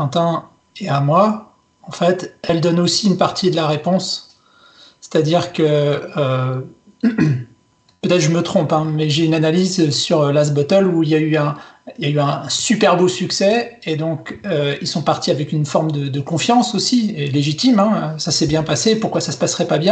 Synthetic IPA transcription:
ɑ̃t̪ɛ̃ | eamwa | ɑ̃fɛt̪ɛld̪ɔnosiːnpaʁt̪ʰid̪əlaʁepɔ̃s | e̥t̪ad̪iʁkəø | pøt̪ɛt̪χʒəmət̪χɔ̃pɛ̃mɛʒeynanalizøsyʁølazbɔt̪ɔluiljayɛ̃iljayɛ̃ɛ̃sypɛʁbosyksɛed̪ɔ̃køilsɔ̃paʁt̪iavɛkʲynfɔʁmd̪əd̪əkɔ̃fjɑ̃sosieleʒit̪imɛ̃øsasɛbjɛ̃pasepuʁkwasasə̥pasχɛpabjɛ̃

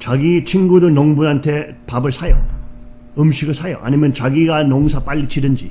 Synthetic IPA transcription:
t͡ɕaɡit͡ɕʰinɡudɯnʌŋbunantʰe̞ | pabɯɭsʰajʌ̰ | ɯmɕʰiɡɯɭsʰajʌʔa̰nimjʌnt͡ɕaɡiɡanʌŋsʰap͈aʎːit͡ɕʰidɯnd͡ʑi

